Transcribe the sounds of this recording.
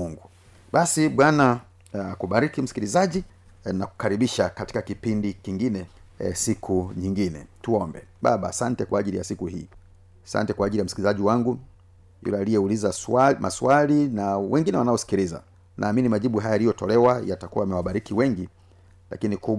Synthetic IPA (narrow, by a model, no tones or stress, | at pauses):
uŋɡu | ɓasiɓwana | kuɓaɾikim̩si̥kilizaʄi | naku̥kaɾiɓiʃakati̥kakipindikiŋɡinɛ | sikʰuɲiŋɡinɛ̰tuɔmbɛɓa̰ɓaːsantɛkwaːʄilijasikuhḭː | asa̰ntɛkwaːʄilijam̩si̥ilizaʄiwaŋɡu | jṵlɛalijɛulizamʔaswalinawɛŋɡinɛwanaɔsi̥kiɾiza̰ | nʔa̰ːminimaʄiɓuɦajaalijɔtɔlɛwajatakuwamɛwaɓaɾikiwɛŋɡi | la̰kiniku